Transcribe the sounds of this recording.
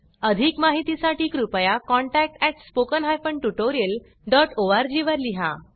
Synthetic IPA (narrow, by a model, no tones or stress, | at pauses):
əd̪ʱikmaɦit̪isaʈiːkɾupəjakɔɳʈæk̚ʈɛʈspokənɦajfəɳʈuʈoɾiəl | ɖɔʈoʋaɾd͡ʑiʋəɾliɦa̰